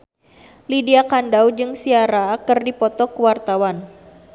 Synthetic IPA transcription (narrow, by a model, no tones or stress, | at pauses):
lidiakandawd͡ʒɨŋsiaɾakɨrdipɔt̪ɔkuwart̪awan